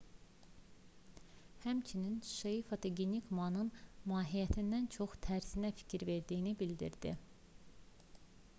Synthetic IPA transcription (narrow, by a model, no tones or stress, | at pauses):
hæmt͡ʃʰininʃeifɑt̪ʰoɡenikmɑnɯnmɑːɦijæt̪ʰind̪ænt͡ʃʰoχt̪ʰæɾsinæfi̥cʰiɾve̞ɾd̪ijinibild̪ḭɾd̪̥ḭ